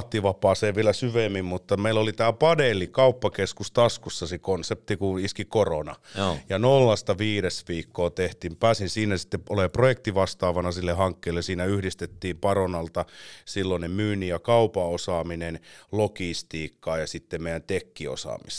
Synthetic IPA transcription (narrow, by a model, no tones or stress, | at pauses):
t̪ːiʋɑpɑːseːʋʋielæsyʋemːimmut̪ːɑmeilːolit̪æːpɑdelːikɑupːɑkeskust̪ɑskusːɑsekonsep̚t̪ikuiskikoronɑ̰jɑnolːɑst̪ɑʋiːɾesʋiːkːoːt̪eht̪impæːsinsiːnæsi̥t̪ːeʔoleˑprojekt̪iʋɑst̪ɑːʋɑnɑsilːehɑŋkːeːlːesiːnæyhdist̪et̪ːiːmpɑronɑlt̪ɑsilːonemyːnijɑkɑupɑosɑːminenlokist̪iːkːɑːjɑsit̪ːemmeˑij̆ˑænt̪ekːio̰sɑ̰ːmḭst̪